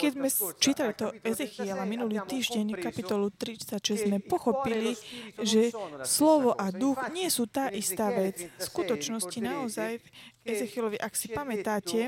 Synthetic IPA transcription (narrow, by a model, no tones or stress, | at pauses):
kɛzmɛt͡ʃiːt̪alit̪ɔɛzɛxiɛlaminuliːt̪iːʒɟɛɲkapit̪ɔlut̪ɾit͡sacʒɛzzmɛpɔxɔpiliʒɛslɔʋɔʔad̪uɣɲɪɛsuːt̪aːʔist̪aːʋɛd͡zskut̪ɔt͡ʃnɔscinaɔzajɛzɛxɪɛlɔʋiʔaksipamɛt̪aːcɛ